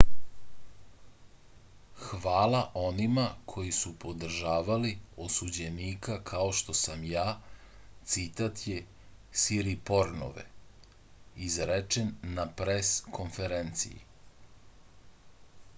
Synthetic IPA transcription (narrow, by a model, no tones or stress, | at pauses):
xʋaːlaʔo̞nimakʰo̞jisupo̞d̪r̩ʒaːʋaliosud͡ʑe̞niːkakʰao̞ʃt̪o̞samjaː | t̪sit̪at̪je̞ | siɾipo̞ɾno̰ʋḛ | izɾet͡ʃenːapɾeskʰo̞nfeɾent̪sḭjḭ